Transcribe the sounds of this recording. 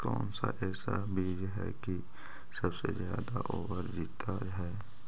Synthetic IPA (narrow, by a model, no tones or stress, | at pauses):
kɔːnsaʔɛːsa | bʱid͡ʒɦɛki | səbsezjaːd̪aʔoːbəɾd͡ʒiːt̪ʰad͡ʒaːɛe